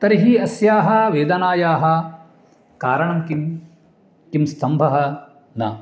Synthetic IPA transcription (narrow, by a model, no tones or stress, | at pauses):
t̪ɐɾiɦiɐsjaːɦɐʋeːd̪ɐnaːjaːɦɐ̆ | kaːɾɐɳɐmkim | kimst̪ʰɐmbʱɐɦɐ | nɐ̰